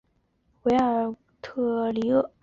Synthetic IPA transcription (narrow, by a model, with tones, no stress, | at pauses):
we˧˥ɪə˞˨˩ | t̪ʰɤ˥˧li˧˥ɤ˥˩